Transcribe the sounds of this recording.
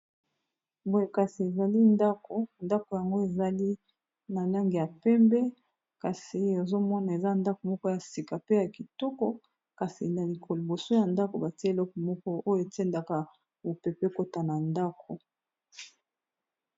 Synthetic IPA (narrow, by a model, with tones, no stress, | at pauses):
bo˦je˨ka˨si˨e˨za˨li˦nda˦ko˨nda˦ko˨ja˨ŋɡo˦e˨za˨li˦ | na˨la˦ŋɡi˨ja˨pɛ˦mbɛ˦ | ka˨si˨o˨zo˦mɔ˦na˨e˨za˦nda˦ko˨mɔ˦kɔ˦ja˨si˨ka˨pe˦ja˨ki˨tɔ˦kɔ˨ | ka˨si˨na˨li˨kʰo˨lo˨bo˨so˦ja˨nda˦ko˨ba˨ti˦lɔ˦kɔ˨mɔ˦kɔ˦o˦jo˨e˨tɛ˦nda˨ka˨ | bo˨pe˨pe˦ko˦ta˨na˨nda˦kʰo˨